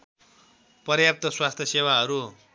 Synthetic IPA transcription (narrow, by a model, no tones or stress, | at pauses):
pʌrjap̚t̪ʌswast̪ʰjʌsewaɦʌɾu